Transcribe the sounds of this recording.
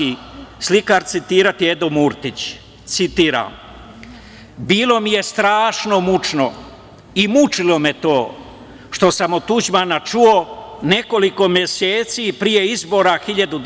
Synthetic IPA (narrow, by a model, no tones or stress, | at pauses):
islikaɾt̪sit̪iːɾat̪ie̞d̪omuɾt̪it͡ɕ | t̪sit̪iːɾa̰m | biːlo̞mije̞st̪ɾaːʃno̞mut͡ʃno | imut͡ʃilo̞met̪o̞ː | ʃt̪o̞samot̪ːud͡ʑmanat͡ʃuone̞ko̞liko̞mje̞seːt̪siːpɾije̞izbo̞ːɾaxiʎad̪ud̪